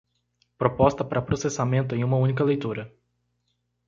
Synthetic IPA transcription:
pɾopɔst̪ɐpaɾɐpɾosesamẽnt̪ʊẽj̃ũmɐũnikɐlejt̪uɾɐ

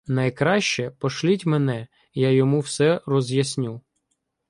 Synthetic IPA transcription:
nɐjkɾɑʃt͡ʃɛpɔʃlʲitʲmenɛ | jajɔmuwsɛrɔzjɐsʲnʲu

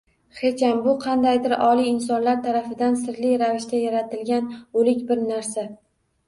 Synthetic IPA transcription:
χe̞t͡ʃambʊqʰɑnd̪ajd̪ɪɾɒlˠiɪnsɒnlaɾt̪ʰaɾafɪd̪ansɪɾlɪɾavɪʃt̪ajaɾat̪ɪlɡʲanolɪkʲbɪɾnaɾsa

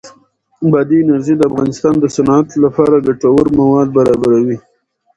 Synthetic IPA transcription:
bɑd̪inaɾʒid̪əafɣɑnɪst̪ɑnd̪əsanɑat̪lapɑɾad̪aʈawəɾmawɑd̪̚baɾɑbaɾawi

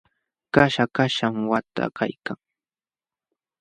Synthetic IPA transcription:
kaʃakaʃamwat̪a̰ka̰jkaŋ

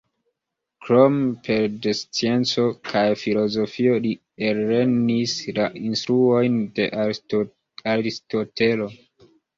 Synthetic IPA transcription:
kɾo̞mpʰe̞ɾdest͡sie̞nt͡so̞kʰajfilo̞zo̞fio̞li | elːe̞nislaʔinstɾuo̞jnde̞̰ | aɾisto̞te̞lo̞

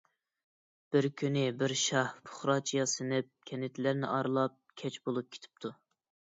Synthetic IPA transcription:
b̥ɪɾkʲʰynɪbɪɾʃɑhpʰʊ̥χɾɑt͡ʃʰijɑsɨnɪp̚kʲʰɛnɪt̪ʰlæɾnɪ̰ʔɑɾlˠɑp̚kʲʰɛt͡ʃbolˠup̚kʲʰe̥t̪ʰɪ̥p̚t̪ʰu

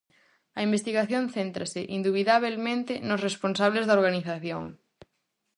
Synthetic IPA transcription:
ɐimbest̪iɣaθjõnθent̪ɾasɪʔind̪uβiðaβelmẽnt̪ɪnosresponsaβ̞lezðɐaoɾɣaniθaθjõ̰ŋ

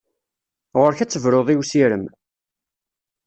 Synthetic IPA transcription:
ʁʊɾçæt͡sːəvɾoðˤiwsiɾəm

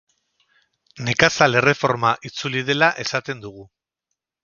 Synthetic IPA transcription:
ne̞kasale̞re̞fo̞ɾmaʔit͡suliðe̞laʔe̞sat̪e̞nd̪uɣ̞u

